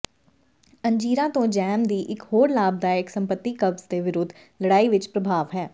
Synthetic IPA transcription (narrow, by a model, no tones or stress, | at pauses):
əɲd͡ʒiːɾãːt̪õːd͡ʒɛːmd̪iːʔɪkɦoːɾlaːb̚d̪aːɪksəmpət̪ːiːkəbz̥d̪eːʋɪɾʊd̪ʱː | ləɽaːiʋɪt͡ʃpɾəbʱaːʋɦɛː